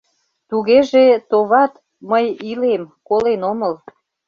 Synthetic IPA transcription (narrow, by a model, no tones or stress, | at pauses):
t̪uɣeʒet̪oβɑt̪ | məjilemkolenoməl